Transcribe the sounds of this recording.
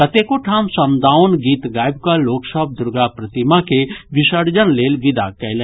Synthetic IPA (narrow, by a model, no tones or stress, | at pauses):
kət̪ekoʈʰaːmsəmd̪ʱaːʊnɡiːt̪ɡaːjbkaloːksəb̚d̪ʊɾɡapɾət̪imakeʋɪsəɾd͡ʒənleːlʋɪd̪a̰kɛlɛ